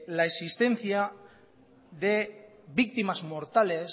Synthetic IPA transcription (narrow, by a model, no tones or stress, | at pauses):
laesist̪e̞nθja | ðe̞ | βik̚t̪imazmoɾt̪ale̞s